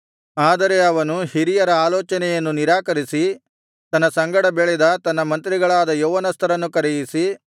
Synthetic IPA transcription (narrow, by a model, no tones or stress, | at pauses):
aːd̪ɐɾe̞ɐʋɐnuhiɾijɐɾɐaːlɔːt͡ʃɐnɛjɐnːuniɾaːkɐɾisi | t̪ɐnːɐsɐŋɡɐɽɐbeɭɛd̪ɐt̪ɐnːɐmɐnt̪ɾiɡɐɭaːd̪ɐjoːʋɐnɐst̪ʰɐɾɐnːukɐɾɛjisi